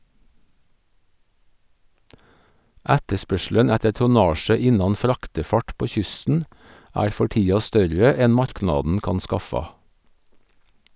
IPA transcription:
ˈætəˌspœʃl̩ən ˈætə tʊˈnɑːʃə ˈɪnɑn ˈfɾɑktəˌfɑʈ ˈpoː ˈçʏstn̩ ˈæːɾ ˈfɔ ˈʈiːɑ ˈstœɾə ˈɛn ˈmɑɾˌknɑːdn̩ ˈkɑn ˈskɑfɑ

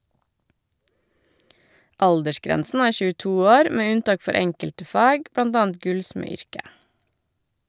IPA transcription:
ˈʔɑldəʃˌkɾɛnsn̩ ˈæːɹ çʉːˈtuː ˈoːɾ ˈmeː ˈʉnˌtɑːk ˈfɔɾ ˈɛŋkəltə ˈfɑːɡ ˈbɽɑnd ˈɑːənd ˈɡʉlsmɛˌʏɹkə

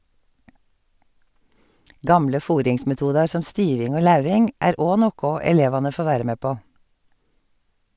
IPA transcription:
ˈɡɑmlə ˈfuːɾɪŋsmɛˌtuːdɑɹ ˈsɔm ˈstyːʋɪŋ ˈoː ˈlɑʉʋɪŋ ˈæːɾ ˈoː ˈnoːkʊ ɛˈleːʋɑnə ˈfoː ˈʋæːɾə ˈmeː ˈpoː

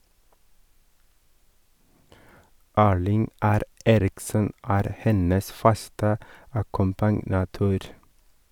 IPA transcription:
ˈæːɭɪŋ ˈæɾ ˈeːɾɪksən ˈæːɾ ˈhɛnəs ˈfɑstə ɑkʊmpɑnɑˈtøːɾ

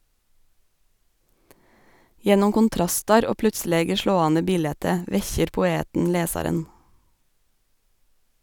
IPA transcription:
ˈjɛnʊm kʊnˈtɾɑstɑɾ ˈoː ˈplʉtˌsleːɡə ˈʃloːɑːnə ˈbiːlɛtə ˈʋɛçəɾ pʊˈeːtn̩ ˈleːsɑɾən

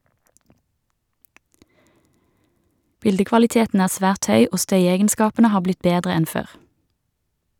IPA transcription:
ˈbɪldəkʋɑlɪˌteːtn̩ ˈæːʁ ˈsʋæːʁt ˈhœʏ ˈoː ˈstœʏɛɡənˌskɑːpənə ˈhɑː ˈblɪt ˈbeːdʁə ˈɛn ˈføːʁ

